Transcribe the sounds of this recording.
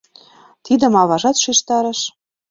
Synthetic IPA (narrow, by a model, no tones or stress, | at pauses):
t̪id̪ə̆mɑβɑʒɑt̪ʃiʃt̪ɑɾɤ̆ʃ